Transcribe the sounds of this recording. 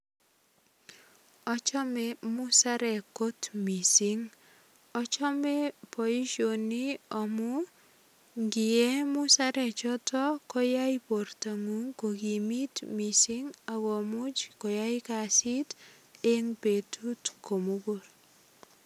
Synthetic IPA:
ɔ˦t͡ʃɔ˦mɛmʊ˦sa˦ɾɛ˨kotmi˨siŋ | ɔ˦t͡ʃɔ˦mɛ˦po˨ji˦ʃoni˦ɔ˨mu˦ | ŋɡɪ˨e˦mʊsaɾɛt͡ʃɔ˦tɔ˦kɔ˦ja˦ipo˨rta˨ŋu˦ŋko˨ɡi˨mi˦tmisiŋa˨ɡo˨mʊ˦d͡ʒkɔ˨ja˦jka˨si˦t | e˦ŋpe˨tʰutko˨mo˦ɡuɾ

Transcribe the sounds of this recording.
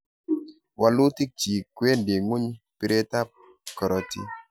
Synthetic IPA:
wa˨lu˦ti˦k̚t͡ʃi˨kːwe˦nde˨ŋu˦ɲ | pi˨ɾe˦ta˦p̚ | kɔ˨ɾɔ˨tḭ˦

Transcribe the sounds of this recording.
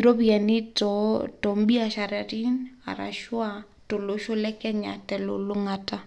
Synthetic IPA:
i˨ɾo˦pia˨ni˦tɔ˨tɔ˨mbi˦a˨ʃa˨ɾa˨ti˦na̰˨ɾa̰˨ʃwa˨ | to˨lo˦ʃo˦lɛ˦kɛ˦ɲa̰˨tɛ˨lo̰˨lo˦ŋa˨ta˦

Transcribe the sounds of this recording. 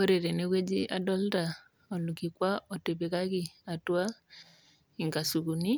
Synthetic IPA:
o˦ɾe˨ɾɛ˨ne˦kwe˦d͡ʒi˦ʔa˨dɔ˦lta˨ | ɔ˨lu˨ki˨kwa˦ɔ˨te˨be˨ka˦ki˨a˨twa˦ | i˨ŋɡa˨su˨ku˨ni˦

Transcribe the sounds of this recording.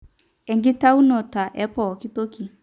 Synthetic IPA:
ɛ˨ŋɡɪ˦ta˦u˦nɔ˨ta˨ʔɛ˦pɔ˨ki˦to˦ki˨

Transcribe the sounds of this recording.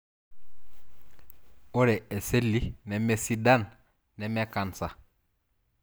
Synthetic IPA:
o˦ɾɛ˨ɛ˨se˦li˦nɛ˨mɛ˨si˦da˦n | nɛ˨mɛ˦ka˨nsa˨

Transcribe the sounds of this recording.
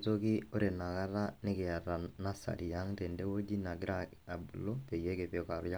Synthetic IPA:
to˦kɪ˦o˦ɾe˨na˨ka˦ɾa˦nɪ˦kɪ˨a˨ɾa˨na˦sa̰˨ɾi˨ja˦ŋte˨nde˦wo˦d͡ʒi˦na˨ɡɪ˦ɾa˦ka˨bu˨lo˦pe˨je˦kɛ˨pe˨ka˨ɾja˦

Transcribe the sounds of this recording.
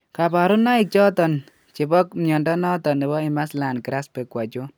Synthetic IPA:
ka˨pa˨ɾu˦nːa˦i˨k̚t͡ʃɔ˦tɔ˨n | t͡ʃi˨bɔ˦k̚mjɔ˨ndɔ˦nɔ˦tɔ˨ne˨bɔ˦i˨ma˦sla˨nkiɾa˦spe˨kwa˨t͡ʃo˦

